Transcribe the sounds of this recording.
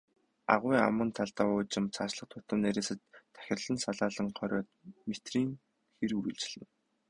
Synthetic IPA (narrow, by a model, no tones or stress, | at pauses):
a̰ʁwʊːa̰mə̆nt̪ʰaɮt̪aːʊːt͡ɕɪ̆mt͡sʰaːt͡ɕɮə̆q̚t̪ʰʊt̪ə̆mneɾʲeːsɘ̆t̪ʰːæ̥xʲɪ̆rɮɘ̆nsaɮaːɮə̆ŋχʰœɾʲɔːt̪̚met̪riːŋ | xeruɾɘ̆ɮt͡ɕɮ̥ɘ̆n